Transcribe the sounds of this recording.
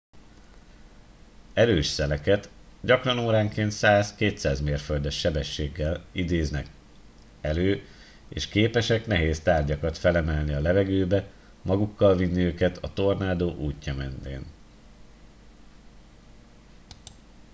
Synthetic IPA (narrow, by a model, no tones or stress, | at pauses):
ɛɾøːʃsɛlɛkɛt̪ɟɒkrɒnoːɾaːŋkeːnt̪saːskeːt̪saːzmeːrføld̪ɛʃːɛbɛʃːeːɡːɛlid̪eːznɛk | ɛløː | ḛːʃkeːpɛʃɛkn̪ɛɦeːst̪aːrɟɒkɒt̪fɛlɛmɛlniɒlɛvɛɡøːbɛ | mɒɡukːɒlvinːiøːkɛt̪ʰɒt̪o̞rnaːd̪oːʔuːcːɒmɛnt̪ḛːn